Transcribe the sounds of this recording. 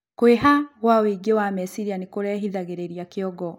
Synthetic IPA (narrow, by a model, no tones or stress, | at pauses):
kweɦaɣwawiɡewamɛsiɾianekoɾɛːɦiðaɣeɾeɾijakeɔɡɔ